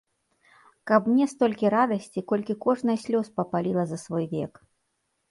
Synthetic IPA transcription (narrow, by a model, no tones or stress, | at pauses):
kɐpmnʲɛst̪ɔlʲkʲiɾad̪ɐsʲt͡sʲikɔlʲkʲikɔʐnɐjɐsʲlʲɔspɐpalʲilˠɐzɐsvɔjvʲɛ̰k